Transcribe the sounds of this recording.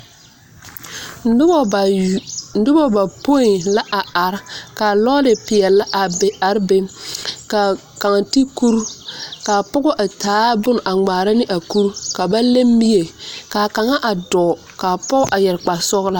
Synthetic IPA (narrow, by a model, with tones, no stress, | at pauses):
n̩˦dʊ˦bɔ˦ba˨po˦i˨la˦ʔa˨a˨ɾka˨lɔː˦lɪ˨pɪ˨ɛ˨la˦ʔa˨be˨a˨ɾbe˦ka˨ | ka˨ŋa˨ti˦ku˦ɾka˨pʊ˦ɣɔ˦ʔa˨taː˨˦bʊ˦n˨ʔa˨ŋ͡maː˨ɾa˦nɪ˦ʔa˨ku˦ɾka˨ba˦le˦mːi˦je˨ka˨ka˨ŋa˦ʔa˨dɔː˨ | ka˨pɔ˦ʔa˨jɛ˨ɾk͡pa˨sɔ˦ɣla˦